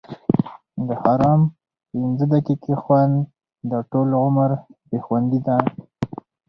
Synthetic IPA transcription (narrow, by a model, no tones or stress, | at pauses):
d̪əhɑɾɑm | pɪnzəd̪akikexwand̪ | d̪əʈolɣʊmaɾbexwand̪id̪a